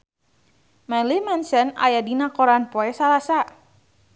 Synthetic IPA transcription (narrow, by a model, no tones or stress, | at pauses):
mɛlimɛnsɛna̰jadinakoɾanpɔɛsalasa